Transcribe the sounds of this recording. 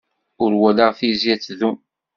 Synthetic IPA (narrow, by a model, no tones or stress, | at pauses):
ʊɾwælaʁθizjæt͡sːðum